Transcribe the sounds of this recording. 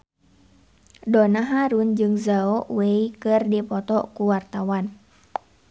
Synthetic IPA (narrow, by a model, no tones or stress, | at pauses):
dɔnaɦaɾund͡ʒɨŋzaɔwɛikɨrdipɔt̪ɔkuwart̪awan